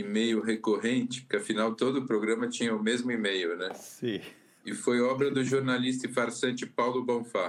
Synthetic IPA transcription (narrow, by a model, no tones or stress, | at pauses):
imejʊɦekoɦẽnt͡ʃɪ̥kɪafinawt̪od̪ʊpɾoɡɾɐ̃mɐt͡ʃĩɲɐʊmezmʊimejʊnɛsĩ | ɪfojɔbɾɐd̪ʊʒoɾnalis̬t̪ɐɪfaɾsɐ̃nt͡ʃɪpawlʊbɐ̃fa